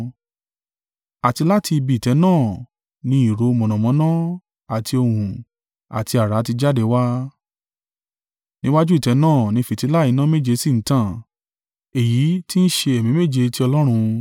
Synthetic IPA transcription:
a˨ti˧la˦tʰi˧bi˧˨tɛ˨˧˦nãː˦˨ | nĩ˧˦i˦˨ɾo˨˧mɔ̃˨nɔ̃˨mɔ̃˨˦nã˦ | a˨tʰi˧o˧hũ˨ | a̰˨ti˧a˨ɾa˨˦ti˧d͡ʒa˦de˨˧wa˦ | nĩ˦wa˦d͡ʒu˦i˦˨tɛ˨˧˦nãː˦˨nĩ˧˦fi˨ti˨˧˦la˦˨i˨˧˦nã˦me˦˨d͡ʒe˧sĩ˦˨n̩˦tã˦˨ | e˨ji˨˦ti˦n̩˦ʃe˧e˨mĩ˨˦me˦˨d͡ʒe˧˦ti˦ɔ˧lɔ˦ɾ̃ũ˧

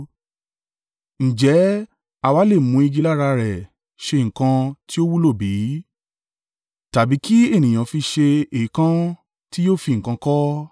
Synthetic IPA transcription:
n̩˨d͡ʒɛ˨˦ | a˨wa˨˦le˦˨mũ˧˦i˧ɡi˧la˦˨ɾa˧ɾɛ˨ | ʃe˧ŋ̩̃˨kã˧ti˦o˦wu˦lo˦˨bi˨˦ | ta˨bi˨˦ki˦e˦˨nĩ˨j̃ã˨fi˧ʃe˧e˨i˨˦kã˦ | ti˦jo˦˨fi˧ŋ̩˨kã˧kɔ˦

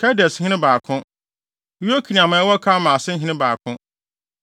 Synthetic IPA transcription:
kʰɛ˦dɛ˨shɪ̃˦ɪ̃˦baː˨kʰʊ̃˦ | u˦o˦kʰi˨ĩ˨ã˨mã˨ɛ˦wɔ˦kʰa˦mãː˨sɪ̃˦ɦɪ̃˦ɪ̃˦baː˨kʰʊ̃˦

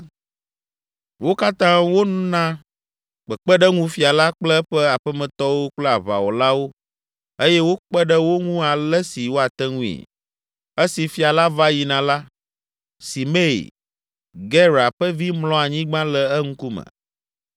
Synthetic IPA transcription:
wo˦ka˦t̪ã˦wo˦nũ˦nã˦ | k͡pə˨k͡pə˦ɖə˦ŋũ˦fi˨a˨la˦k͡plɛ˦ɸɛ˦a˨ɸɛ˦mɛ̃˨t̪ɔ˦wo˦k͡plɛ˦a˨βa̰˨wo˨la˦wo˦ | e˦jɛ˦wo˦k͡pɛ˦ɖə˦wo˦ŋũ˦a˨lɛ˦si˨wo˦a˨t̪ɛ˦ŋũ˦ḭ˨ | ə˦si˨fi˨a˨la˦va˦ji˨nã˨la˦ | si˨me˦ḭ˨ | ɡɛ˦ɾa˨ɸə˦vi˦mlɔ̃˦a˨ɲĩ˦ɡ͡bã˦lɛ˦ɛ˦ŋ̩˦ku˦mə̰̃˨

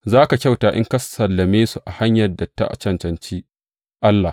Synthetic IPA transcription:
zaː˦ka˨kʲa˦wtaː˨ʔɪ̰˦ŋkɐ˦sɐ˨lːɐ˨meː˦su˨ʔa˨ha˦ɲjɐ˨rdɐ˨tːa̰˦ʔa̰˨t͡ʃɐ˦nt͡ʃɐ˨nt͡ʃiː˦ | ʔa˦lːa˨h

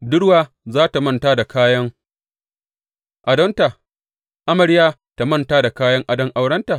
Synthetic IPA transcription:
dʊ˦ɽwaː˨ | zaː˦ta˨mɐ˦˨ntaː˦da˨kʰaː˦jɐ˦ŋ | ʔa˨dɐ˦nta˨ | ʔa˦mɐ˨ɽjaː˦ | ta˨mɐ˦nta˦da˨kaː˦jɐ˦ŋʔa˨dɐ˦ŋʔa˨wɽɐ˦nta˨

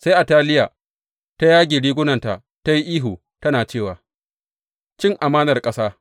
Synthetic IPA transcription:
sa˦jʔa˨taː˦lɪ˦ja˨ | ta˦jaː˦ɡʲɪː˨ɽiː˦ɡʷʊ˦nɐ˨nta˨ʔ | ta˦ji˦ʔiː˦ɦuː˨ | tɐ˦naː˨t͡ʃeː˦˨waː˨ | t͡ʃɪ˦ŋʔa˨maː˦nɐ˨rkʼɐ˦saː˦

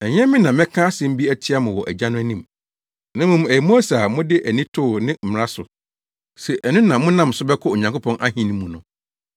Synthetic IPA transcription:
ɛ˨ɲ˦ɛ̃˦mĩ˦nã˨mɛ̃˦kʰãː˦sɛ̃˨m̩˦bi˦æ˦tʰɪ˦a˦mʊ̃˨wɔ˨ʔæ˨d͡ʑã˦nʊ̃˦æ˦nĩ˦m | nã˦mʊ̃˦m˨æ˨i˨mo˦æ˦sa˨mʊ̃˦dɪ˦ʔæ˨nĩ˦tʰʊː˦˨nɪ̃˦m̩˨m˨ɾa˦sʊ˨ | sɛ˨ʔɛ˨nʊ̃˦nã˨mʊ̃˦nã˦m˨sʊ˦bɛ˦kʰʊ˦o˨ɲã˨ŋkʊ˦pʰɔ̃˦nʔa˦ɦĩ˨nĩ˦mũ˨nʊ̰̃˨

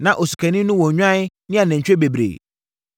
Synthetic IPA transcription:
nã˨ʔo˨su̥˨kʰɛ˨nɪ̃˦nʊ̃˦wɔ̃˨ɲᶣ˦ã˦ | nɪ̃˦a˨nɛ̃˨ɲ̩˨t͡ɕᶣe˦be˨bɾḛː˨

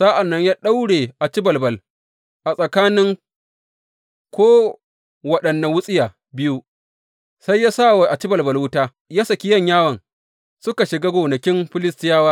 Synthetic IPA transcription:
sa˦ʔa˨nːɐ˦ɲjaː˦ɗa˦wɽeː˨ʔa˨t͡ʃɪ˦bɐ˨lbɐ˨l | ʔa˨sʼɐ˨kaː˦nɪ˦ŋ | kʷoː˦ | wɐ˦ɗɐ˨nːa˨wʊ˦sʼɪ˦jaː˨ | bɪ˦ju˦ | sa˦jːaː˦sa˦˨wa˨ʔa˨t͡ʃɪ˦bɐ˨lbɐ˨lwʊ˦taː˦ | jaː˦sɐ˨kʲi˦jɐ˦ɲjaː˦wɐ˨ŋ | sʊ˦ka˨ʃɪ˨ɡa˦ɡʷoː˨nɐ˨kʲɪ˦mɸɪ˦lɪ˦stɪ˦jaː˦waː˦

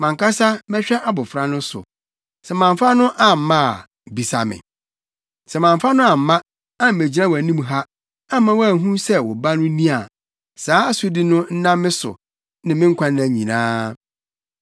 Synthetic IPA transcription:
mã˨ŋkʰa˦sa˦mɛ̃˦ɕᶣɛ˦ʔa˦bʊ˨fɾa˦nʊ̃˦sʊ̰˨ | sɛ˨mã˨ɱ˨fa˦nʊ̃˦ʔa˨m̩˨mã˦˨ | bi˨sa̰˨mɪ̰̃˨ | sɛ˨mã˨ɱ˨fa˦nʊ̃˦a˨m̩˨mã˦ | ã˦m̩˨mæ˨d͡ʑi˨nã˦wæ˨nĩ˦m˨ɦa˦ | a˦mã˦wæ˨ɦũ˦sɛ˦wɔ˨ba˦nʊ̃˦nĩ˦a˨ | saː˨˦˨sʊ˦di˦nʊ̃˦n̩˦nã˦mːɪ̃˦sʊ̰˨ | nɪ̃˨mɪ̃˦ŋ˦kʰʷã˦n˦nã˨ɲḭ̃˨nã̰ː˦

